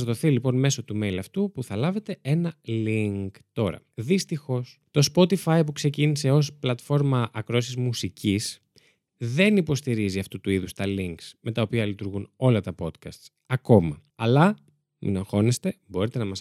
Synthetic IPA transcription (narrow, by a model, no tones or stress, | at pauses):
zðo̞θilipo̞nme̞so̞t̪ume̞jlɐft̪upuθɐlɐve̞t̪e̞e̞nɐliŋkt̪o̞ɾɐ̰ðist̪ixo̞st̪o̞spo̞t̪ifɐjpukse̞cinise̞o̞splɐt̪fo̞ɾmɐʔɐkɾoɐsizmusicis | ðe̞nipo̞st̪iɾiziɐft̪ut̪uiðust̪ɐliŋksme̞t̪ɐo̞piɐlit̪uɾɣuno̞lɐt̪ɐpo̞t̪kɐst̪s | ɐko̞mɐ | ɐlɐ | mḭnɐxo̞nest̪e̞bo̞ɾit̪e̞nɐmɐs